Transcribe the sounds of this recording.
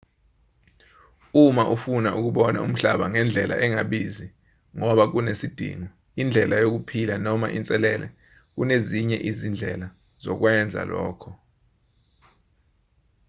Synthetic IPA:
umaʔufunaʔuk̬uɓɔna̰ṵm̩ɬaɓaŋɛnd͡ɮʱɛla̰ʔɛŋaɓizi | ŋɔɓak̬unesid̥ʱḭŋɔ | ind͡ɮʱɛlajok̬upʰilanɔmaʔint͡sʼɛlɛlɛ̰ | k̬uneziɲɛʔizind͡ɮʱɛla | z̥ɔ̰k̬wɛnd͡zʱa̰lɔ̰ːkʰɔ

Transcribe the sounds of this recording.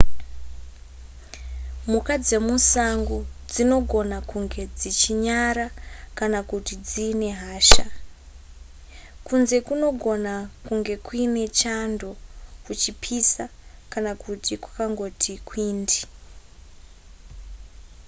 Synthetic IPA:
mukad͡ze̞musaŋɡod͡zino̞ɡʱo̞nakuŋɡe̞d͡zit͡ʃiɲaɾakanakutid͡ziːne̞ɦaːʃa | kunze̞kuno̞ɡʱo̞nakuŋɡe̞kuine̞t͡ʃando̞kut͡ʃipʰisakanakutikwḁkaŋɡo̞tʰikwiːndi

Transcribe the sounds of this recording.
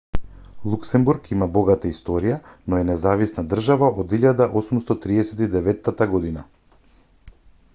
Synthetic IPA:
lˠuksɛmbuɾkimabɔɡat̪aist̪ɔɾijanɔɛnɛzavisnad̪r̩ʒavaʔod̪iʎad̪aʔɔsumst̪ɔt̪ɾiɛsɛt̪id̪ɛvɛt̪ːat̪aɡɔd̪ina

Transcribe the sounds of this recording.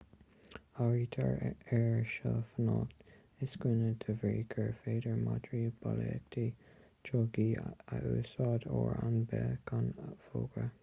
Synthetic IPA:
aɹiːt̪ʰəɹɛɹʃəfənɑːt̪ | ɪskɪnət̪ʰəvɾiːkʰəɹfeːdəɹmadɹiːb̥alɛɛk̚tʰi | t͡ʃʰɔɡiaʔuːsɑːdoɹanbɛkʰanfoːɡɹə

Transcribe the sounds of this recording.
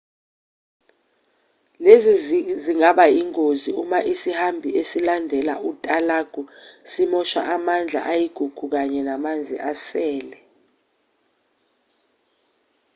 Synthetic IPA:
leziziŋaɓaiŋoziumaʔisihambʱiʔesilandʱɛlautʼalaɡ̥ʱusimɔʃa̰ʔamand͡ɮʱa̰ʔajiɡ̥ʱuɡ̥ʱuk̬aɲɛnamand͡zʱḭʔasɛːlɛ

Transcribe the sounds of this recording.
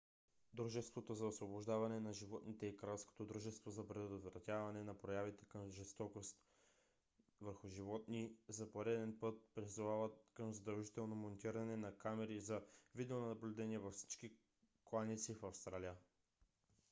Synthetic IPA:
d̪ɾuʒɛst̪vot̪ozɐosvoboʒd̪avɐnɛnɐʒivɔt̪nit̪ɛikɾajlˠsko̥t̪od̪ɾuʒɛst̪vozɐpɾɛd̪ot̪vɾɐt̪ʲjavɐnɛnɐpɾojavit̪ɛ̥kəmʒɛst̪ɔkost̪ | vəɾxʊʒivɔt̪nizɐpoɾɛd̪ɛnpɤt̪̚pɾizuvavət̪̚kəmzɐd̪ɐlˠʒit̪ɛlˠnomont̪iɾɐnɛnɐkamɛɾizɐvid̪ɛonɐnɐblʲʊd̪ɛniɛvɐfsi̥t͡ʃki | klˠanit̪sifɐfst̪ɾalijə

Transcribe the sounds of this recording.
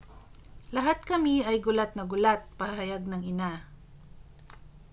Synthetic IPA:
lɐɦat̪̚kɐmiɐjɡʊlat̪̚nɐɡʊlat̪̚pɐhaɦɐjaɡ̚nɐŋɪna

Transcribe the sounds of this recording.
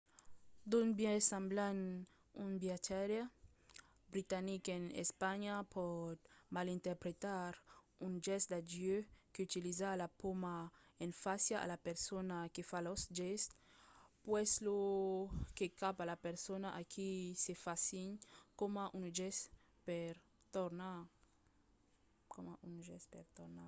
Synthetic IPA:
d̪unbjɛsãmblan | unbjat̪ʰɛɾja | bɾit̪anikenḛspaɲapʰɔt̪malint̪eɾpɾet̪aɾ | und͡ʒɛsd̪ad͡ʒjøkeut̪ilizalapomaenfasjaʔa̰lapeɾsonakefalɔsʒɛst̪pwɛslo | kekapalapeɾsonaʔakʰisefasiɲkomaʔunʒɛs | pɛɾ | t̪oɾna | komaunʒɛspɛɾt̪oɾna

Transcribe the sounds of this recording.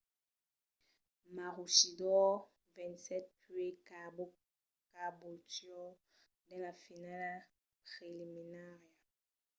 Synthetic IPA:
maʁuʃidɔ | vɛ̃ntsɛt̚pɥek | kaboltjɔ | dɛlafinala | pʁeliminaʁja

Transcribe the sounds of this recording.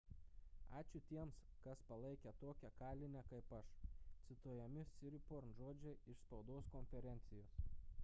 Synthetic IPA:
ɑ̰ːt͡ʃʲʊt̪ʲiɛmskɐspɐlˠɐɪkʲɛt̪oːkʲɛkɑːlʲɪnʲɛkɐɪpɐʃt̪sʲɪt̪uɔjɛmʲɪsʲɪɾʲɪpoɾnʒoːd͡ʒʲɛɪʃspɒʊd̪oːskɔnʲfʲɛɾʲɛnʲt̪sʲɪjoːs

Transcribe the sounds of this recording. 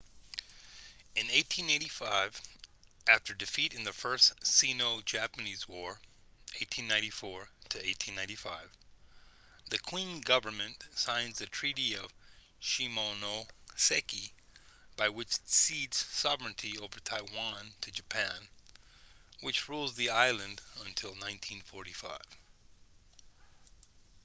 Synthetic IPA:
ɨ̃neɪtʰĩnẽɪ̃ɾifaɪv | ʔæftə˞dɨfiɾɨ̃nðɨfɜ˞ssinoʊd͡ʒæpɨnizwɔɹeɪtʰĩnːãɪ̃ntifɔɹɾɨeɪtʰĩnãɪ̃ntifaɪv̥ | ðɨkʰw̥ĩnɡʌvə˞mɨ̃nsãɪ̃nzðɨtʰɹ̥iɾiʌv̥ | ʃimonosɛki | b̥aɪwɨt͡ʃsidz̥sɑvɹɨ̃ntʰioʊvə˞tʰaɪwɑ̃ntʰɨd͡ʒɨpʰæ̃n | wɨt͡ʃɹulˠzðiaɪlˠɨ̃ndə̃ntʰɪlˠnãɪ̃ntʰĩnfɔɹɾifa̰ɪv̥

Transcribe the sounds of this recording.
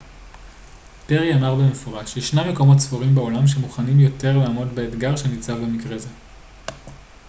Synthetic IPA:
peʁiamaʁbemefo̞ʁaʃjeʃnameko̞mo̞tsfoʁimbeo̞lamʃe̞muχanimjo̞te̞ʁlaːmo̞dbeːt̪ɡaʁʃenit͡savbemikʁeze̞

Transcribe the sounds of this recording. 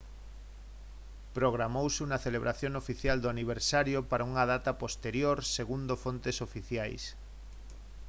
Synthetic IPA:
pɾoɣɾamowsuŋɐθeleβ̞ɾʔaθjoŋofiθjald̪oaniβ̞eɾsaɾjopaɾauŋɐðat̪apost̪eɾjoɾseɣund̪ofont̪esofiθjajs

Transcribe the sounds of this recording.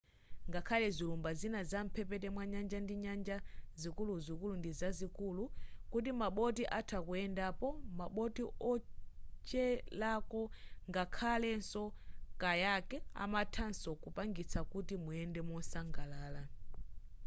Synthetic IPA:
ŋɡakʰalɛzilumbazinazam̩pʰɛpɛtɛmwaɲand͡ʒandiɲand͡ʒazikuluzikulundizazikulukut̬imaɓɔt̬iʔatʰakuɛndapɔmaɓɔtiɔt͡ʃɛlakɔŋɡakʰalɛnsɔkajakɛa̰matʰansɔkupaŋɡit͡sʰakutimuɛndɛmɔnsaŋɡalaːla

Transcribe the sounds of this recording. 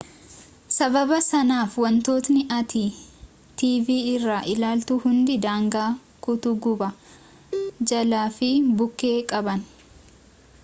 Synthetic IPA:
sɐbɐbɐsɐnaːfwɐnt̪o̞ːt̪nɪʔɐt̪iː | t̪iːviːɪrːaːʔɪlaːlt̪uːhʊnd̪ɪd̪aːŋɡaː | kʊt̪ʊɡʊbɐ | d͡ʒɐlaːfɪbʊkːe̞ːkʼɐbɐn

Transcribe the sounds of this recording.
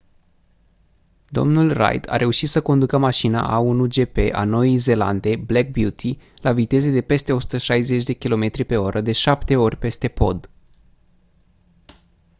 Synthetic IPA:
d̪o̞̰mnulra̰jd̪ʰa̰ɾʔe̞uʃit̪səkond̪ukəmaʃina̰ʔaunud͡ʒe̞pe̞ʔa̰no̞jijze̞la̰nd̪e̞blek̚bjut̪ʰi | lavit̪e̞zed̪e̞pe̞st̪e̞o̞su̥t̪əʃajze̞t͡ʃʲd̪e̞kʲilo̞me̞t̪ɾipe̞o̞ɾʔəd̪e̞ʃapt̪e̞o̞rʲpe̞st̪e̞po̞̰d̪

